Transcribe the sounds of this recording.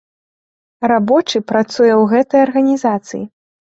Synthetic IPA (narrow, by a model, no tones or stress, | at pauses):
rabɔt͡ʂɨpɾat̪sujɛwɣɛt̪ɐjɐrɣɐnʲizat̪sɨ̰jḭ